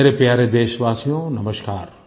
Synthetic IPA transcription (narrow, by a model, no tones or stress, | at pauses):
ɾepjaːɾed̪eːʃɐʋaːsijõːnɐməʃkaːɾ